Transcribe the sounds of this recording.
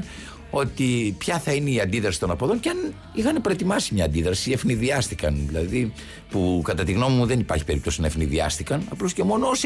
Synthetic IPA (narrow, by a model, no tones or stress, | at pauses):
o̞t̪ipçɐθɐineiɐnd̪iðɾɐsi̥t̪o̞nɐpoðo̞nceɐn | ixɐnepɾoet̪imɐsimɲɐːnd̪iðɾɐsiefniðiɐst̪ikɐnðilɐði | pukɐt̪ɐt̪iɣno̞mimuðenipɐ̰ɾçi̥pe̞ɾip̚t̪o̞sinɐefniðiɐ̰st̪ikɐnɐ̰plosce̞mo̞noos